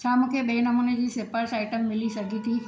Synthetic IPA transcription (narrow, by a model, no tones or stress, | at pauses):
t͡ɕʰaːmũːkʰeɓeːnɐmuːned͡ʑiːsɪpəɾsaːɪʈəmːɪlisɐɡʱit̪ʰi